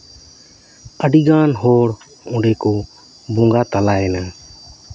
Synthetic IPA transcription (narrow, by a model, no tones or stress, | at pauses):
əɖiːɡaːnɦoːɽ | ʊ̃ːɳɖeːkoː | bõːŋɡaːt̪əlaːeːna